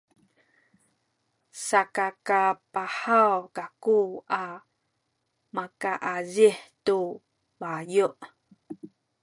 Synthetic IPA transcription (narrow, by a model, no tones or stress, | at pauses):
sakakapahawkakua | makaʔaziħtu | bajuʔ